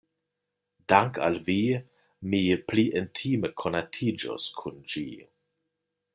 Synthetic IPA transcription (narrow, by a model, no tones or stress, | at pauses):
daŋka̰lvi | mipliʔentʰiməkʰonatʰid͡ʒo̰skʰund͡ʒḭ